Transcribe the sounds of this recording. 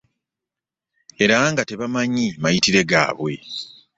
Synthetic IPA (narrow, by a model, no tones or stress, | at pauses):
e̞ɾaŋɡate̞βamaɲimajitiɾe̞ɡa̰ːβwe̞